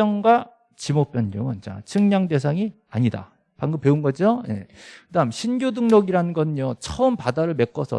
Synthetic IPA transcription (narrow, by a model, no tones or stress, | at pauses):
ʌŋɡwa | t͡ɕimop͈jʌnːʌŋɯnt͡ɕa̰t͡ɕʰɯŋɲaŋde̞s̬ʰaŋi | a̰ɲida̰ | paŋɡɯp͈e̞unɡʌd͡ʑioje̞̰kɯdamɕʰinɡjodɯŋnʌɡiɾanɯnɡʌnɯɲjot͡ɕʰʌɯmpadaɾɯɭme̞k͈ʌsʰʌ̰